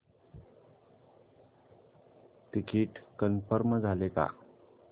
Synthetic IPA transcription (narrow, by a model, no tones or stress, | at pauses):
t̪ikʰiːʈkənfəɾməd͡zʱaleka̰